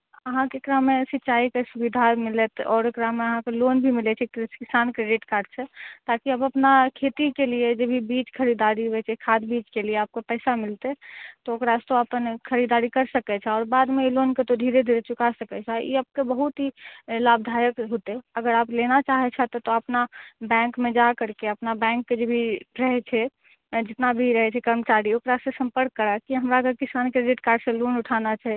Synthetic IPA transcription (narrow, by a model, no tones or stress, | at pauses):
əɦãkekɾamesɪtːt͡ʃaːikesubid̪ʱamɪlət̪ɔːɾekɾameəɦãkeloːnbʱimɪlɛt͡ʃʰɛkskɪsaːnkɾeɖiʈkaːɾɖ̚t͡ʃʰɛt̪akiəbəpnakʰet̪ikelied͡ʒebʱibiːt͡ʃkʰəɾid̪aɾibɛt͡ʃʰɛkʰad̪biːt͡ʃkelieaːp̚kepɛɪsamɪlt̪et̪ookɾast̪oəpənkʰəɾid̪aɾikəɾsəkɛt͡ʃʰɛɔːɾbaːd̪mẽiloːnket̪od̪ʱiːɾed̪ʱiːɾet͡ʃʊkasəkɛt͡ʃʰajḛap̚kebəɦut̪ɦilaːb̚d̪ʱaːjəkɦot̪eəɡəɾaːplenat͡ʃaːɦet͡ʃʰɛt̪ot̪oɐpnabɛ̃ːŋkmẽd͡ʒakəɾkeəpnabɛ̃ːŋkːed͡ʒobʱiɾəɦɛt͡ʃʰɛ | d͡ʒɪt̪nabʱiɾəɦɛt͡ʃʰɛkəɾmət͡ʃaːɾioːkɾasẽsə̃mpəɾkːəɾakiɦəmɾaɡəɾkɪsaːnkɾeɖɪʈkaːɾɖsẽloːnʊʈʰaːnat͡ʃaɦɛ